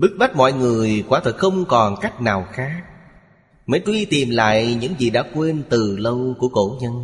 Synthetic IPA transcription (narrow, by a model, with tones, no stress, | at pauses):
ɓɨ˦˥k̚ɓa˦˥t̚mɔ̰˧˨jŋɨ˨˩əjkwaː˧˩t̪ʰə˨˩k̚xə˧wŋ͡mkɔ˨˩nka˦˥jk̟̚naː˨˩wxaː˨˦˥ | mə̰˧˥˦jt͡ɕwi˧t̪i˨˩mla̰ː˧˨jɲɨ̰˧˥ŋzi˨˩ɗa̰ː˧˥kwe˧nt̪ɨ˨˩lə˧wku˧˩əko˧˩ɲə˧n